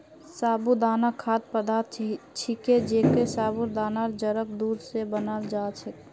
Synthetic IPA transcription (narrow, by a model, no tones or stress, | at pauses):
sabud̪anakʰat̪̚pəd̪at̪t͡ʃʰiked͡ʒekesabuɾd̪anaɾd͡ʒəɾək̚d̪uɾsebənald͡ʒat͡ʃʰɛ